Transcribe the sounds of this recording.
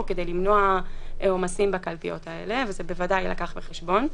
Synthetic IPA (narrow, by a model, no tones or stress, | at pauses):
ke̞dejlimno̞aomasimbakalpijo̞̰tʰae̞̰le̞vezebevadajla̰kaχbeχeʃbo̞n